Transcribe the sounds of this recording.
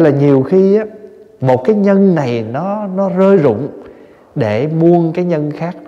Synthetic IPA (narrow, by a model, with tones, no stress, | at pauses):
laː˨˩ɲi˨˩əwxi˧ʔaː˨˦ | mo˨˩t̚kaː˨˦jɲə˧nna˨˩jnɔ˨˦nɔ˨˦zəː˧jzʊ̰˧˨ŋ͡m | ɗe˧˩˨mu˧ənkaː˨˦jɲə˧nxaː˦˥k̚